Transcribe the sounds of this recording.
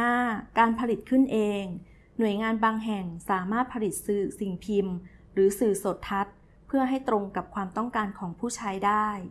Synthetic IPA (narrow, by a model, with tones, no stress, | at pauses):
ʔaː˥˩kaː˧npʰa˧li˨˩t̪̚kʰɯ˥˩nʔeː˧ŋ | nu˨˩əjŋaː˧nbaː˧ŋɦɛ˨˩ŋsaː˩˦maː˥˩t̪̚pʰa˧li˨˩t̪̚sɯː˨˩si˨˩ŋpʰi˧mɾɯː˩˦sɯː˨˩soː˨˩t̪ʰːa˦˥t̪̚ | pʰɯ˥˩ɐɦa˥˩jt̪ɾo˧ŋka˨˩p̚kʰwaː˧mt̪ɔ˥˩ŋkaː˧nkʰɔː˩˦ŋpʰuː˥˩t͡ɕʰaː˦˥jdaː˥˩j